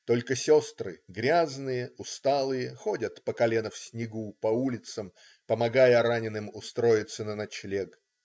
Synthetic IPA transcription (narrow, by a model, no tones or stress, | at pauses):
t̪o̞lʲkəsʲost̪ɾɨ̰ɡɾʲaznɨjəʊst̪alˠɨjəxo̞dʲət̪pəkɐlʲenəfsʲnʲɪɡupɐulʲɪt̪səm | pəmɐɡajəɾanʲɪnɨmʊst̪ɾo̞jɪt̪sːənənɐt͡ɕlʲeɡ